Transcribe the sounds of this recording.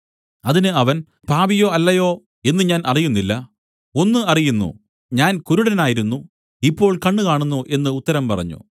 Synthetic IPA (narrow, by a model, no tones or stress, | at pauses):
ɐðinɨɐʋɐn | paːbijo̞ːɐlːɐjo̞ː | e̞nːɨɲaːnʔɐrijunːilːɐ | o̞nːɨɐrijunːṵ | ɲaːnkuɾuɽɐnaːjiɾunːu | ipːo̞ːɭkɐɳːɨkaːɳunːuʔe̞nːɨːt̪ːɐɾɐmpɐrɐ̰ɲːṵ